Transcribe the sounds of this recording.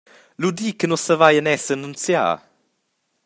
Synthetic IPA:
lud̪iːkənɔsəvajənɛsənunt͡sja̰ː

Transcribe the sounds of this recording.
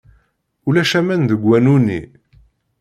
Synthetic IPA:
ulæʃæmænðəɡwːænunḭ

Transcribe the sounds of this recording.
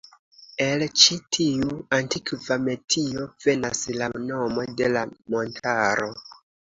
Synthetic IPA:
e̞lt͡ʃitʰiuantikvame̞tʰio̞v̥e̞naslano̞mo̞de̞lamo̞ntʰaɾo̞

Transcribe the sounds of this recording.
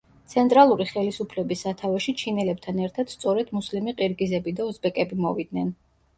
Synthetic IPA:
t̪sʰɛnt̪ʼɾalˠuɾiχɛlisupʰlɛbisːat̪ʰavɛʃit͡ʃʰinɛlɛb̚t̪ʰanɛɾt̪ʰad̪̥st̪sʼɔɾɛd̪muslimiqʼiɾɡizɛbid̪aɔzbɛkʼɛbimɔvid̪nɛn

